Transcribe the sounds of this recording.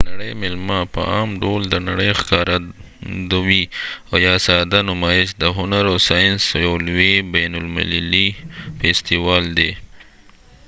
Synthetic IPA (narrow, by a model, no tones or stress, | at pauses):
naɽəjmɪlmapə̰ʔɑːmɖold̪ənaɽəjxkɑɾa | d̪awiojɑːsɑd̪anʊmɑjɪʃd̪əɦʊnaɾosɑjɪnsjawlwebanʊlmɪ̰llifest̪iwɑːld̪e